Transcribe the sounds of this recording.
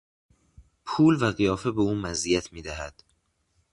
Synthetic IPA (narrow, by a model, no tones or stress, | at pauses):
pʰuːlvæɣijɒːfebeuːmæzijæt̪ʰmiːd̪æɦæd̪̥